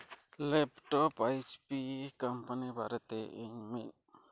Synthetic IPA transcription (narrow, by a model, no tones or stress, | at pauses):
lɛpʈɔpajt͡ʃpikampanibaɾɛt̪ɛʔiɲmit̪̚